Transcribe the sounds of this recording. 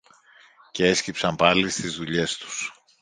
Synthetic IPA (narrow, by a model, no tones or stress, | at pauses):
ce̞e̞scipsɐmpɐlist̪izðuʎe̞st̪u̥s